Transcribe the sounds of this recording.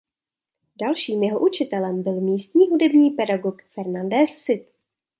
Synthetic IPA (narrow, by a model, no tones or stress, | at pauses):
dalʃiːmjɛɦoʔut͡ʃɪt̪ɛlɛmbɪlmiːst̪ɲiːɦudɛbɲiːpɛdaɡokfɛɾnandɛssɪt̪